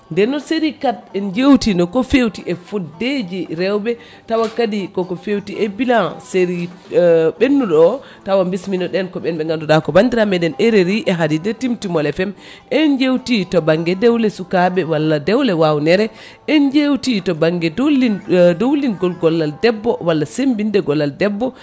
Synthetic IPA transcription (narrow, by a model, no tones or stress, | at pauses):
ndɛnɔseɾikatɛnd͡ʒewtinɔkɔfewtiʔɛfudːed͡ʒiɾɛwbɛ | tawakadikɔkɔfewtiʔɛbilanseɾi | ɓenːuɗɔ | tawambisminɔɗɛnkɔɓɛnɓɛŋɡandudakɔbandiɾamɛdɛnɛɾeɾiʔɛɦadidɛtimtimɔlɛfɛm | ʔɛnd͡ʒewtitɔbaŋɡɛdɛwlɛsukaɓɛwalːadɛwlɛwawnɛɾɛ | ʔɛnd͡ʒewtitɔbaŋɡɛdlidowlinɡɔlɡɔlːaldɛbːɔwalːasembindɛɡɔlːaldɛbːɔ